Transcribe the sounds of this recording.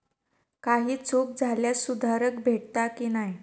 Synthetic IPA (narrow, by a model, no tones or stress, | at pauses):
kaɦiːt͡suk̚d͡zʱaljasud̪ʱaɾəkbʱeʈt̪akiːnaɦi